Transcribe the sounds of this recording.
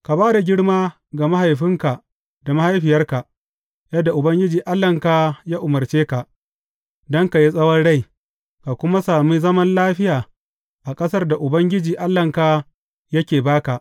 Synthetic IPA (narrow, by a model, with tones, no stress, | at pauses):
ka˨baː˦da˨ɡʲɪ˦ɽmaː˦ | ɡa˨ma˦ha˨jɸɪ˦ŋka˨ | da˨ma˦ha˦jɸɪ˨jɐ˦rka˨ʔ | jɐ˦dːa˨ʔʊ˨bɐ˦ŋɡʲɪ˦d͡ʒiː˨ʔa˦lːɐ˨ŋkaː˦jaː˦ʔʊ˨mɐ˨rt͡ʃeː˦ka˨ʔ | dɔ˦ŋka˨ji˦sʼɐ˦wɔ˦nɽa˦˨j | ka˨kʷʊ˦ma˦saː˨miː˦zɐ˦mɐ˦nlaː˦ɸɪ˦jaː˨ | ʔa˨kʼɐ˦sɐ˦rda˨ʔʊ˨bɐ˦ŋɡʲɪ˦d͡ʒiː˨ʔa˦lːɐ˨ŋkaː˦ | jɐ˦kʲeː˨baː˦ka˨ʔ